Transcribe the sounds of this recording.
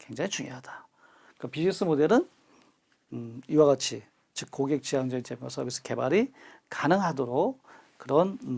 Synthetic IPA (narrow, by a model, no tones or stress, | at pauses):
kwe̞ŋd͡ʑaŋit͡ɕuŋjoɦad̥ḁ | k͈apid͡ʑis͈ʰɯmode̞ɾɯn | iwaɡat͡ɕʰi | t͡ɕɯk̚k͈ːoɡek̚t͡ɕ͈iaŋd͡ʑeit͡ɕemwa̰sʰʌbis͈ʰɯ̥ke̞baɾi | kanɯŋɦadoɾo | kːɯɾʌn